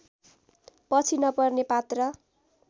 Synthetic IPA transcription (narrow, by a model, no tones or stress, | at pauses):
pʌt͡sʰinʌpʌrnepat̪rʌ